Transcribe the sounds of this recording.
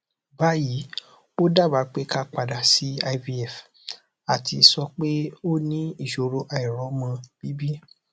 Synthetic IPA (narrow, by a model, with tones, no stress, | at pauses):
ba˨˦ji˨˦ | o˦da˦˨ba˨˦k͡pe˨˦ka˦˨k͡pa˨da˨si˦a˧i˧bi˦ɛ˨f | a˨ti˧sɔ˧k͡pe˦o˦nĩ˦i˦˨ʃo˨ɾo˧˦ʔa˧˨i˨ɾɔ˨˦mã˧b̥i˨˦bi˦